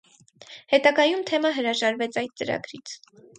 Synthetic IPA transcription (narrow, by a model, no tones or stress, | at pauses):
hɛt̪ɑɡɑjumt̪ʰɛmɑɦəɾɑʒɑɾvɛt͡sʰɑjd̪̚t͡səɾɑ̰ɡɾit͡sʰ